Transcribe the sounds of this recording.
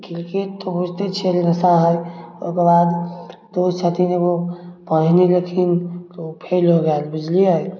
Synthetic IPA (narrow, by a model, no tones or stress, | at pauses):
kilket̪obud͡ʒʱt̪et͡ʃʰelnəsaɦəjojkebad̪d̪ot͡ʃʰat̪inebopəɽneləkʰint̪opʰelɦoɡɛlbid͡ʒliɦəj